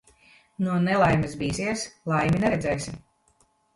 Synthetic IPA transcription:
nuɔnelˠajmisbiːsiɛslˠajminɛɾɛd̪zɛːjsʲim

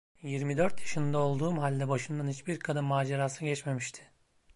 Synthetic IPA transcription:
jiɾmid̪ø̞ɾt̪jaʃɯnd̪ao̞lˠd̪uːmɦalʲd̪ɛbaʃɯnd̪anit͡ʃbiɾkʰad̪ɯnmaːd͡ʒeɾaːsɟɛt͡ʃme̞miʃt̪ʰɪ̥

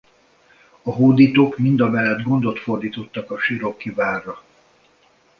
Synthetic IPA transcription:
ɒɦoːd̪iːt̪oːkmind̪ɒmɛlːɛd̪ɡo̞nd̪o̞t̪fo̞rd̪iːt̪o̞t̪ːɒkɒʃiɾo̞kːivaːrːɒ

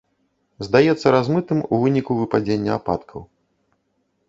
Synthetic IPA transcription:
zd̪ajɛt̪sːɐɾazmɨt̪ɨmuvɨnʲikuvɨpad͡zʲenʲːɐa̰pa̰t̪kʰɐw

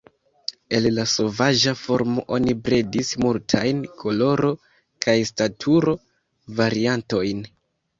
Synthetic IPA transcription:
e̞llaso̞vaʒafo̞ɾmo̞ʔo̞nibɾedismultʰajnkʰo̞lo̞ɾo̞ | kʰajstatʰuɾo̞ | vaɾianto̞jn

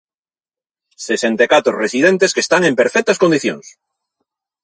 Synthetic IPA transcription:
sesent̪ekat̪oresiðent̪eskest̪aŋempeɾfɛk̚t̪ɐskond̪iθjoŋs

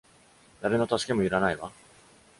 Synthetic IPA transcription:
d̪aɾe̞not̪aɕke̞mo̞iɾanaiβa

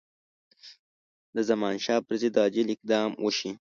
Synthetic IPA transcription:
d̪əzamɑnʃɑːpɾazed̪ɑːd͡ʒɪlɪk̚d̪ɑmwʔəʃi

